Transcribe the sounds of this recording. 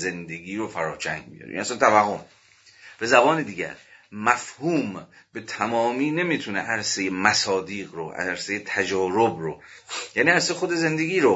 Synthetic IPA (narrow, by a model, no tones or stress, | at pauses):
ze̞nd̪e̞ɡʲiːɾofæɾɒːt͡ʃʰæ̰ŋɡbḭjɒ̰ɾḛḭnæsænt̪ʰævæɦːom | b̥e̞zæbɒːned̪iːɟæ̰ɾmæfhuːmb̥e̞t̪ʰæmɒːmiːne̞miːt̪ʰunḛʔæɾsejemæsɒːd̪iːɣɾoʔæ̰ɾsejet̪ʰæd͡ʒɒːɾobɾo | jæːniːæɾsejexod̪e̞ze̞nd̪e̞ɡʲiːɾo